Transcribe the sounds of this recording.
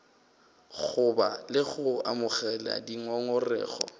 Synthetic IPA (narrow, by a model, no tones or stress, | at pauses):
ɣʊbalɪɣʊamʊɣɛla̰diŋɔŋɔrɛ̰ːχɔ̰